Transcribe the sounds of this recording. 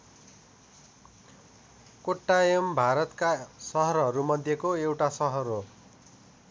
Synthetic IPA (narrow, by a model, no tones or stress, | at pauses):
koʈːajembʱaɾʌt̪kasʌɦʌɾɦʌɾumʌd̪ʱjekoewʈasʌɦʌɾo